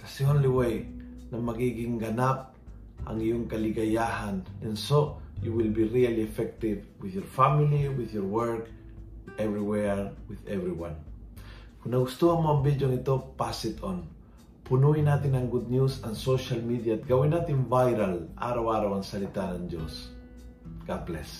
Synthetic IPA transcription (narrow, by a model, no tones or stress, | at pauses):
kasionliwej | namaɡiɡiŋɡanap̚ | a̰ŋijoŋkaliɡajahanɛnsojuwilbiɾialiɛfɛk̚t̪ivwiðjɔɹfamiliwiðjɔɾwɛɹk | ɛvɾiwɛɹwɪðɛvɾiwãn | kunaɡust̪uamoambid͡ʒoŋit̪opasit̪ʰõn | punuinat̪iŋãŋɡud̪̚njusãnsoʃalmid̪iat̪̚ɡawinat̪ĩnvajɾala̰ɾawaɾawansalit̪aɾãnd͡ʒos | ɡ̥ad̪̚plɛs